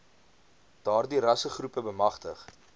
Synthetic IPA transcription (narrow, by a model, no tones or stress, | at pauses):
d̥ɑːrdiɾɐsəχrupəbəmɐχtəχ